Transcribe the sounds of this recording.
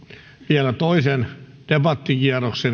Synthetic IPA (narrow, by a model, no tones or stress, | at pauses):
ʋiælæt̪oisen | d̥ebɑt̪ːikiæroksen